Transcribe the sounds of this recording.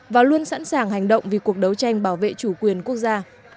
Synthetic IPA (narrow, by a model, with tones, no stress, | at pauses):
vaː˨˩lu˧ənsa̰˧˥nsaː˨˩ŋɦa˨˩jŋ̟ɗə̰˧˨wŋ͡mvi˨˩ku˨˩ək̚ɗə˨˦wt͡ɕa˧jŋ̟ɓaː˧˩wvḛ˧˨t͡ɕu˧˩kwi˨˩ənku˦˥ək̚zaː˧